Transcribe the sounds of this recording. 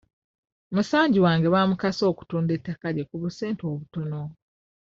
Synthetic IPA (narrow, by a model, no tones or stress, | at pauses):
musaːɲɟiwaːŋɡe̞βaːmukaso̞ːku̥tuːndetːakaɾekuβuse̞ːnto̞ːβuto̞no̞